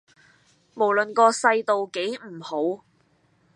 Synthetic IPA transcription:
mo˨˩wlɵ˨nkɔː˧sɐ˧jt̪o˨wke˨˥jm̩˨˩ho˨˥w

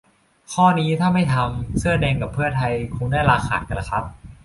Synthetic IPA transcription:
kʰɔː˥˩niː˦˥t̪ʰaː˥˩ma˥˩jt̪ʰa˧msɯ˥˩ɐdɛː˧ŋka˨˩pʰːɯ˥˩ɐt̪ʰa˧jkʰu˧ŋdaː˥˩jɾaː˧xʰa̰ː˨˩t̪ka˧˩nla˧˩kʰa˦˥p̚

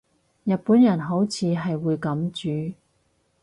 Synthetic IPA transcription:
jɐ˨t̚puː˨˥njɐ˨˩nɦo˨˥wt͡sʰiː˨˧ɦɐ˨jwuː˨˧jkɐ˨˥mt͡ʃyː˨˥

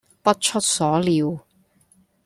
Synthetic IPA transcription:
pɐ˥t̚t͡ʃʰɵ˥t̚sɔː˨˥liː˨˧w

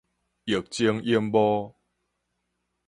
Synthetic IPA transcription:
i˨˩k̚t͡ɕi˦ŋi˦mbɔ˦

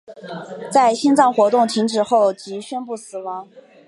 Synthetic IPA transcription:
t͡sa˥˩ɪɕi˥nt͡sɑ˥˩ŋxwɔ˧˥t̪ʊ˥˩ŋt̪ʰi˧˥ŋʈ͡ʂɻ̩˨˩xo˥˩ʊt͡ɕi˧˥ɕɥɛ˥npu˥˩sɹ̩˨˩wɑ˧˥ŋ

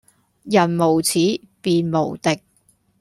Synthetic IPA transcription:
jɐ˨˩nmo˨˩wt͡sʰiː˨˥ | piː˨˧nmo˨˩wt̪ɪ˨k̚

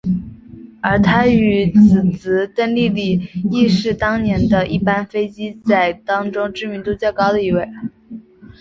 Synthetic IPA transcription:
ə˞˧˥t̪ʰa˥y˧˩t͡sɹ̩˨˩t͡s̩˧˥t̪ə˥˧nli˥˩li˨˩i˥˧ʂɻ̩˥˩t̪ɑ˥ŋnjɛ˧˥nd̪ə˧ʔi˥˩pa˥nfe˥ɪt͡ɕi˥t͡sa˥˩ɪt̪ɑ˥ŋʈ͡ʂʊ˥ŋʈ͡ʂɻ̩˥˩mi˧˥nt̪u˧˥t͡ɕjɑ˥˩kɑ˥ʊd̪ə˧i˧˥we˥˩ɪ

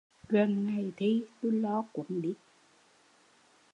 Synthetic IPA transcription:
ɣə˨˩nŋa˨˩jt̪ʰi˧˦t̪u˧˦jlɔ˨˦kʊ̰˧˥˦ŋ͡mɗi˦˥t̚

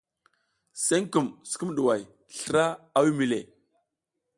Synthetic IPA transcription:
se˦ŋku˨msə̥˨ku˦m˦ɗu˨wa˨j | ɬə˨ɾa˦a˦wi˦mi˨lḛ˨

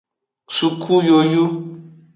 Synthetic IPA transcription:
su˨kʰu˦jo˨ju˦

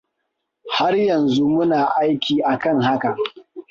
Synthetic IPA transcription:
ha˦rjɐ˨nzu˦mʊ˦naː˨ʔa˦jkʲiː˨ʔa˨kɐ˦ŋha˦ka˨

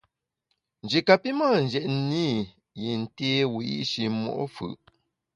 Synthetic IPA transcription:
n˨d͡ʒe˨ka˨pi˦maː˦˨n˨d͡ʒɛ˨ʔn˦ni˦ | ji˨n̩˨te˦wi˨ḭ˦ʃi˨mɔ̰˦˨ʔfɯ̰˨ʔ

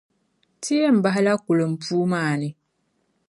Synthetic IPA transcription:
tʰi˦e˦˨m̩˨ba˦ɦa˦la˦ku˨lo˨m̩˨pʰuː˦maː˦˨nɪ˨

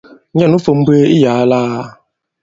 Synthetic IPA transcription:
ɲa˦nu˦fo˨m̩˦be˦i˦jaː˨˦laː˦

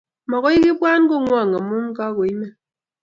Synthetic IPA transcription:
mɔ˨ɣɔ˦i˦ki˦ba˦n˦kɔ˦ŋwa˦˨ŋa˨mu˦ŋ̩˦ka˦ko˨i˦mɛ˦

